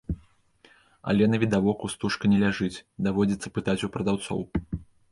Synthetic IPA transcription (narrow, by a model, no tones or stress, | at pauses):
a̰lʲɛnɐvʲid̪avɔkust̪uʂkɐnʲɛlʲaʐɨt͡sʲd̪avɔd͡zʲit̪sːɐ̥pɨt̪at͡sʲupɾɐd̪awt̪sɔ̰w